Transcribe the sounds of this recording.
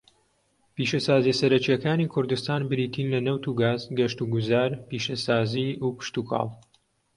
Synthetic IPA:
piːʃɐsaːzijɛsɐɾɐt͡ʃijɛkaːniːkʰʊɾd̪ust̪aːnbɨɾiːt̪ʰiːnlɐnɐwt̪uɡaːzɡɐʃt̪uɡʊzaːɾpiːʃɐsaːziːuːpɨ̥ʃt̪ukʰɑ̰ːlˠ

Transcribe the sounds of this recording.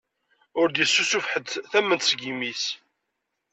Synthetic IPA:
ʊɾd̪jəsːusufħəd̪θæmːənt̪sɡimis

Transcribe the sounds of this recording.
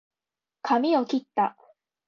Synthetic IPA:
kʰamʲiokʲit̪ːa

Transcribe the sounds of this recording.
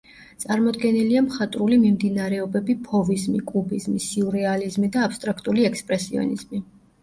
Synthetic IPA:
t̪sʼaɾmɔd̪ɡɛniliamχat̪ʼɾulimimd̪inaɾɛɔbɛbipʰɔvizmikʼubizmisiuɾɛalizmid̪aːpst̪ʼɾakʰt̪ʼuliɛkʰspʼɾɛsiɔ̰nḭzmi

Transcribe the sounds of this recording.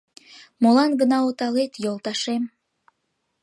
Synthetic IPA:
molɑnɡənɑot̪ɑlet̪jolˠt̪ɑʃem

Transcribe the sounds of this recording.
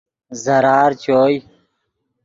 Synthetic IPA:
zəɾaːɾt͡ɕʰoːj

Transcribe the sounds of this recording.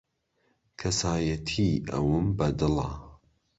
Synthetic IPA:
kʰɐsaːjɐt̪ʰiʔɐ̰wɨmbɐd̪ɨlˠɐ̰

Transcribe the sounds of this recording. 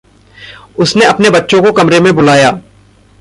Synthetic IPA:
ʊsneɐpnebɐtːʃõkokɐmɾemẽbʊlaːjaː

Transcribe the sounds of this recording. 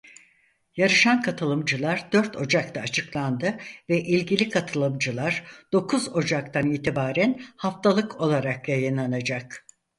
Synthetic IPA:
jaɾɯʃankʰat̪ʰɯlˠɯmd͡ʒɯlˠaɾd̪øɾt̪ʰo̞d͡ʒak̚t̪ʰaːt͡ʃʰɯklˠand̪ɯvɛʔilʲɟilʲikʰat̪ʰɯlˠɯmd͡ʒɯlˠaɾd̪̥o̞kʰuzo̞d͡ʒakt̪ʰaniːt̪ʰibaːɾænhaft̪ʰalˠɯkʰo̞lˠaɾakjajɯnlˠanad͡ʒak

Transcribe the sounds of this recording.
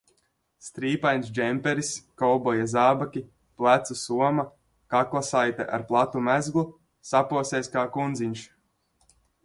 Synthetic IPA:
st̪ɾiːpajnsd͡ʒɛmpɛɾiskɔwbɔjazaːbakʲi | plˠæt̪susuɔma | kaklˠasajt̪ɛ̰ʔa̰ɾplˠat̪umæzɡlˠu | sapuɔsɛːskaːkund̪ziɲʲʃ

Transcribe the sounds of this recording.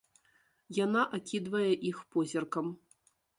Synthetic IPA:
janaʔakʲid̪vɐjɛʔixpɔzʲɐrkɐm

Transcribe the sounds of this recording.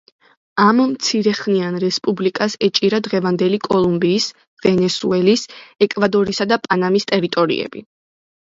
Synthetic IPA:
ammt̪sʰiɾɛχnianɾɛspʼublikʼasɛt͡ʃʼiɾad̪ʁɛvand̪ɛlikʼɔlˠumbiːs | vɛnɛsuɛlisɛkʼvad̪ɔɾisad̪apʼanamist̪ʼɛɾit̪ʼɔɾḭɛ̰b̥ḭ

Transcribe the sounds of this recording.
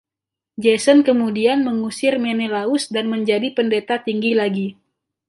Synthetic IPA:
d͡ʒɛsənkəmudianməŋusɪrmenelaʊsdanməɲd͡ʒadipəndet̪at̪iŋɡilaɡi

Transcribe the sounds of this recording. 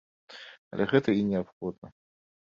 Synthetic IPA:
ɐ̰lʲɛɣɛt̪ɐinʲɛapxɔd̪̚nɐ

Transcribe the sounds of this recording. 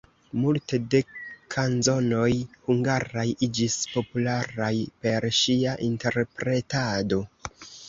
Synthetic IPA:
multe̞de̞kʰanzo̞no̞jhuŋɡaɾajid͡ʒispo̞pulaɾajpe̞ɾʃiaʔinte̞ɾpɾe̞tado̞

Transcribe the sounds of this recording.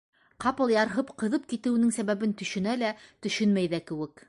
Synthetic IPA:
qɑpɤ̆lˠjɑɾɦɤpqɤ̆ðɤp̚kit̪ɘ̆wɘ̆nɘŋsæβæβɘnt̪ɵ̆ʃɵ̆nælæt̪ɵ̆ʃɵnmæjðækɘ̆wɘk

